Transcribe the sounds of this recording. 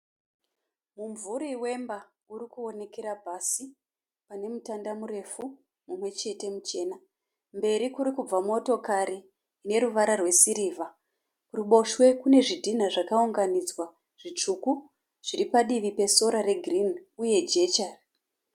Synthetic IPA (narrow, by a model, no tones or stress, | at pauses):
muɱvuɾiwe̞mba | uɾikuo̞ne̞ke̞ɾabʱasi | pane̞mutandamuɾe̞fu | mumwe̞t͡ʃe̞te̞mut͡ʃe̞ːna | mbe̞ɾikuɾikub͡vamo̞to̞kaɾiː | ne̞ɾuʋaɾarwe̞siɾiva | uruɓo̞ʃwe̞kune̞ʐidʱin̤aʐakauŋɡanid͡zwa | ʐ̥it͡ʂuku | ʐ̥iɾipaɗiʋipe̞so̞ɾaɾe̞ɡʱrinuje̞d͡ʒe̞t͡ʃar